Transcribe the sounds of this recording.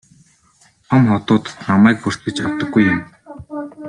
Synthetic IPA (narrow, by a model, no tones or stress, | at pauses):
t̪ʰɔmχɔt̪ʊːt̪̆namæːkur̥t̪̚ɡɘ̆t͡ɕɔt̪ɞ̆ɡujːʊm